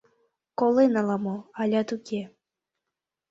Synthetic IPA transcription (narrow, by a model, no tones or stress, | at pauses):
kolenɑlˠɑmoɑlʲɑt̪ukʲe